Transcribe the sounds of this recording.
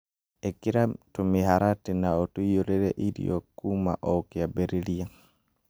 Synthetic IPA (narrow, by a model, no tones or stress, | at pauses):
ekiɾatumiɦaɾatinaotujoɾeɾḛʔiɾḭokuma̰ʔɔkjabeɾeɾia